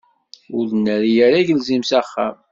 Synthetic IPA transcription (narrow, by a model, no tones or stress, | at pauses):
ʊɾnːəɾjæɾæʝəlzimsæχːæm